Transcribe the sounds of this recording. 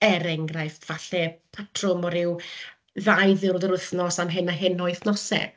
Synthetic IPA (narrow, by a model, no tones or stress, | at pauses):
ɛɾɛŋɡraɨfv̥aɬɛpʰatʰrʊmɔɾɪw | ðajðɪɾðɛɾʊθnɔsamɦɪnaɦɪnɔɨθnɔsɛ̰